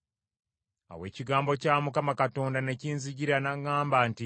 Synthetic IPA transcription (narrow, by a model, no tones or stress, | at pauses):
a̰we̞ːciɡaːmbo̞caːmukamakato̞ːndane̞ciːnziɟiɾanaŋːaːmbanti